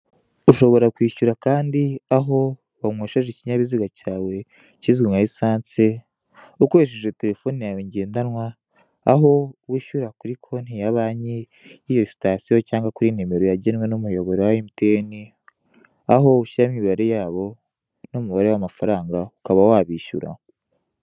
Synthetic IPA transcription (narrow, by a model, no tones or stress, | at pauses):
uʃo̞βo̞ɾakwiːʃuɾakaːndiaɦo̞ | βamweːʃaʒeciɲaβiziɡacaːwe̞ | ciziŋaisaːnt͡se | ukoɾeʃ̬eʒete̞ɾe̞fo̞nijaweɲɟe̞ːndanwaː | ɦo̞wiʃuɾakuɾikʰo̞n̥hijaβaːɲeː | jo̞si̥tasijo̞caːŋɡakuɾinime̞ɾojaɟenwe̞nomujo̞βo̞ɾewaimitʰeːni | aɦo̞uʃiɾamiβaɾe̞jaːβo̞ | nomuβaɾe̞wamafaɾaːŋɡaukaβawaβiːʃṵɾa̰